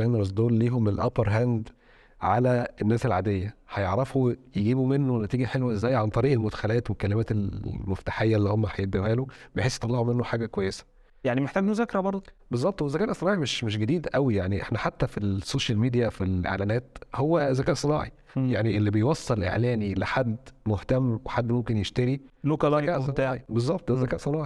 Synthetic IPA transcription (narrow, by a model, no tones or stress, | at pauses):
ænɾɑsd̪oːlliːɦomelʔæ̰peɾˤɦænd̪ | ʕalæʔenːæːselʕaːd̪ejːæħɑjeʕɾɑfujeɡiːbumenːownæt̪iːɡiħelwæzːæːjʕant̪ˤɑɾiːʔelmot̪æ̥xælæːt̪wekːælːemæːt̪elmoft̪aħejːælːiːhomːæħæjeb̪æmæːlobejħesːjet̪ˤɑlːeʕumenːoħaːɡækwæjːesæ̥ | jaʕnimeħt̪æɡmuzækɾæbɑɾˤd̪ˤbezˤːɑb̚t̪ˤwezækæːnʔsˤenɑːʕimeʃmeʃɡæd̪iːd̪ʔæwijaʕniʔḛħnæħat̪ːæfisːoːʃælmid̪ijæfilʔḛʕlæːnæːt̪howːæzækæːʔsˤenɑ̰ːʕi | jaʕniʔelːibejwɑsˤːelʔḛʕlæːnileħad̪ːmoht̪æmweħad̪ːmomkenjeʃt̪æɾilokælɑæʔ̪æʕibezˤːɑb̚t̪ˤzækæːʔsˤenɑːʕi